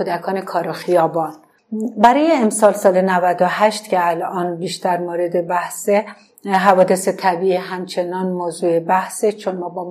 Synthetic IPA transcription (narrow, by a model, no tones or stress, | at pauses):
od̪ækʰɒːnekʰɒːɾoxijɒːbɒːn | bæɾɒːje̞ːmsɒːlsɒːlenævæd̪oɦæʃt̪cʰeælʔɒːnbiːʃt̪æɾmoːɾe̞d̪e̞bæhse | ɦævɒːd̪ese̞t̪ʰæbiʔiɦæmt͡ʃʰenɒːnmoːzuːebæhset͡ʃʰonmɒːbɒː